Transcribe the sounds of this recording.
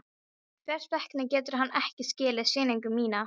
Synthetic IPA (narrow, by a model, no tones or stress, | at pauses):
kʰvɛr̥spɛhknɪcɛːt̪ʏɾ̥ɦanːɛhcɪscɪːlɪðsɪːnijŋkʏmːiːna